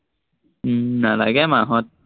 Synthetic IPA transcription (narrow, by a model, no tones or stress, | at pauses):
nala̰kamaɦɔt̪̚